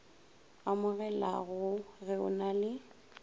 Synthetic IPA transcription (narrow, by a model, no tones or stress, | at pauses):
amʊɣɛlaɣʊɣɛʊ̰nalɪ